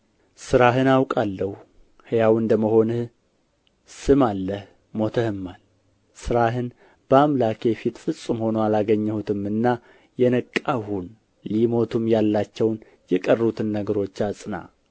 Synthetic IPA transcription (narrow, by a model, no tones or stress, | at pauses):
sɨɾaɦɨnawkʼalːəhu | hɨjawɨnd̪əməho̞nɨh | sɨmalːəh | mo̞t̪ʰəhɨmːal | sɨɾaɦɨn | b̥əamlakʰe̞fit̪fɨsʼɨmho̞noalaɡəɲːɛhut̪ʰɨmɨnːa | jɛnəkʼːahun | limo̞t̪ʰumjalːat͡ʃːɛwn | jɛkʼərːut̪ʰɨnːəɡəɾo̞t͡ʃːasʼɨna̰